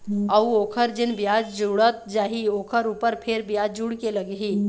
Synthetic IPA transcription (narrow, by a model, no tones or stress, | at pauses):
əwokʰəɾd͡ʒinbjad͡ʒd͡ʒuɽət̪̚d͡ʒaɦiokʰəɾupəɾpʰeɾbjad͡ʒd͡ʒuɽkeləɡɦi